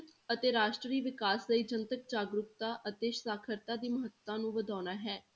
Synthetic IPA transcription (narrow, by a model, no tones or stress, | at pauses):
t̪ət̪eːɾaːʃʈɾəɾiːʋɪkaːsləiːd͡ʒənt̪ək̚d͡ʒaːɡɾʊkt̪aːʔət̪eːʃsaːkʰəɾt̪aːd̪iːməɦət̪ːãːnũːʋəd̪aːnaːɦɛː